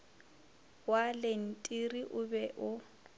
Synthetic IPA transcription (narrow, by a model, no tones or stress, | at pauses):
walen̩tʼiriʔʊbɛʔʊ